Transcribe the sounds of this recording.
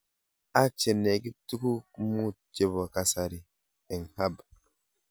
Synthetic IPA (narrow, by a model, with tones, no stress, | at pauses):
a˦t͡ʃe˨nːe˨ɡi˦tu˦ku˦mu˦d͡ʒe˦βo˨ka˦sa˨ɾi˨ | ɛ˨nha˦b